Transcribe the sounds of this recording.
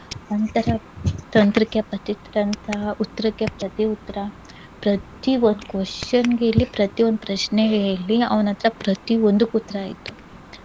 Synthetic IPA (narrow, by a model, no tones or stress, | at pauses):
ɐnt̪ɐɾɐt̪ɐnt̪ɾikjepɐt̪it̪ɐɾɐnt̪ʰɐɦɐut̪ːɐɾɐkːjepɾɐt̪iut̪ːɐɾɐ | pɾɐt̪iond̪ukʋɐʂɐnɡelːipɾɐt̪iond̪upɾɐʂneɡelːiɐ̰ʋɐnɐnt̪ɐɾɐpɾɐt̪iond̪ukut̪ːɐɾɐːjḭt̪ːu̥